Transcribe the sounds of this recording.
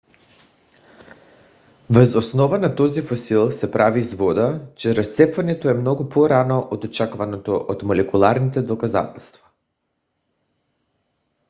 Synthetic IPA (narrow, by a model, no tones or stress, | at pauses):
vəzosnɔvanat̪ɔzifosilˠsɛpɾʔavizvɔd̪at͡ʃɛɾast̪sɛpvanɛt̪oɛmnɔɡupoɾanoʔod̪ot͡ʃakvanot̪oʔot̪molɛkulˠaɾnit̪ɛd̪okaza̰t̪ɛlˠst̪vḁ